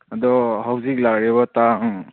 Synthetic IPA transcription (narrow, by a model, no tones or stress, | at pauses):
ad̪ɔɦawzik̚laɡɾɛβata